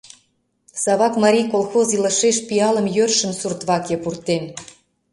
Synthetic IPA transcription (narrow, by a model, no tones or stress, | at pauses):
sɑβɑkmɑɾʲijkolxoziləʃeʃpiɑlə̆mjørʃə̆msurt̪βɑkepurt̪en